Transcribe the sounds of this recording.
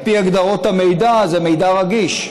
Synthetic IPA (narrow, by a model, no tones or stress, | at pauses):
piaɡd̪aʁo̞t̪amejd̪azeme̞jd̪aʁaɡiʃ